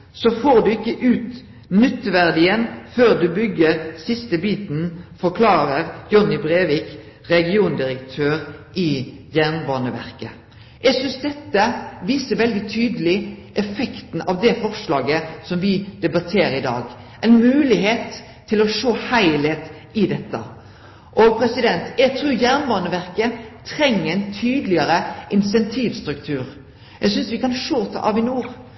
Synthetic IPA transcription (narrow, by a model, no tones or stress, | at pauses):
sɔfoːʁd̪ʉɪkːəʔʉːt̪ | nʏt̪ʋæʁd̪ɪənføːʁd̪ʉbʏɡːəɾsɪst̪əbiːt̪nfɔʁkʰlɑːɾəʁjɔnɪbʁeːʋiːk | ɾɛɡɪuːnd̪ɪʁəkt̪ʰøːʁʔɪjæʁnbɑːnəʋæ̰ʁkə | jɛɡsʏnsd̪ɛt̪ːəʋiːsəʋɛld̪ɪt̪ʰyːd̪əlɪʔɛfɛkt̪n̩ɑʋd̪ɛfɔʁʂlɑːɡəsɔmʋɪd̪̥ɛbɑt̪ʰeːɾəɪd̪ɑ̰ːɡ | ʔæɪnmʉːlɪɦeːt̪ʰː | ɪlɔʂoːhæɪleːt̪ | ɪd̪ɛt̪ːə̰ | ʔɔpʰɾɛsɪd̪ɛnt̪jæɡt̪ʰɾʉːɾjæʁnbɑːnəʋæɾkət̪ʰɾɛŋːɛɪnt̪ʰyːd̪lɪəɾəʔɪnsɛnt̪ʰiːʋst̪ɾʉkt̪ʰʉːɾ | jæɡsʏnsʋɪkɑnʂoːt̪ʰɑ̰ːʔɑʋɪnuːɾ